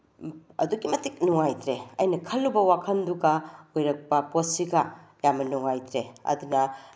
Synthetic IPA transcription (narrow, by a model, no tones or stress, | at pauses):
ɐ̰duɡimɐtik̚nuŋajt̪ɾeɐjnɐkʰɐlːubɐwakʰɐnduɡɐojɾɐk̚pɐposiɡɐjamɐnuŋajt̪ɾeɐ̰dunɐ